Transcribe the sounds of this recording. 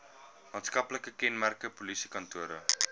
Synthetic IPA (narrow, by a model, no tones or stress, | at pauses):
mɑːntskɐpləkəkɛnmærkəpulisi̥kɐntuəɾə̰